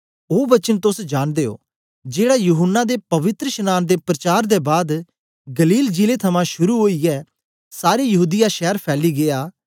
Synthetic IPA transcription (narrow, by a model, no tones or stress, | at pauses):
oːbət͡ʃənt̪ʊsd͡ʒaːnd̪eːo̰ː | d͡ʒeːɽaːjʊɦənːad̪epɐʋɪt̪ɾəʃənaːnd̪eːpɾət͡ʃaːɾd̪ebaːd̪ | ɡəliːld͡ʒilet̪ʰɐmãʃʊɾuɦoːiɛː | saːɾijɐɦuːd̪ɪjaːʃɛːəɾpʰɛːliːɡeːaː